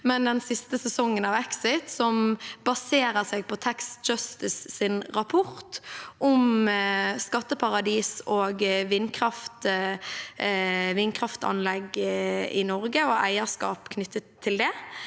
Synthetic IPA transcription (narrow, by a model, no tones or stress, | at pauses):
mɛnd̪ɛnsɪst̪əsɛsɔŋːənɑʋɛksɪt̪sɔmbɑseːɾəʁsɛːɡ̚pʰɔt̪ʰæksd͡ʒœst̪ɪsːɪnʁɑpʰʊʁt̪ʔɔm | skɑt̪ːəpʰɑʁɑd̪iːsoːɡʋɪnːkʰʁɑft̪ | ʋɪnːkʰʁɑft̪ɑ̰nlɛɡɪ̰nɔʁɡəɔæɪəskɑ̰ːpkʰnʏt̪ːət̪ʰːɪld̪ɛ